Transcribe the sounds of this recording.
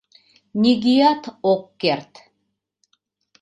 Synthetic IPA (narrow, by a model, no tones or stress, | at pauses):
nʲiɡʲijat̪ʰokːert̪